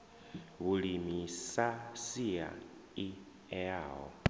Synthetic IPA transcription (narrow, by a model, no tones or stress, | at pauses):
βuɺimisasia̰ | i | ɛaːɦɔ̰